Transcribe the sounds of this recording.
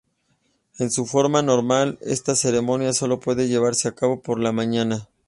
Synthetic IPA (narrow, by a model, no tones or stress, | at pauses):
e̞nsufo̞ɾmano̞ɾmale̞̰st̪ase̞ɾe̞mo̞njaso̞lo̞pwe̞ðe̞ʝe̞β̞aɾse̞akaβo̞po̞ɾlamãɲana